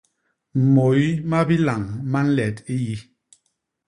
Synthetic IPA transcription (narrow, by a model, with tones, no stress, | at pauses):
m̩˨mo˨jma˦bi˦la˨ŋma˦n̩˦lɛ˨ti˦ji˦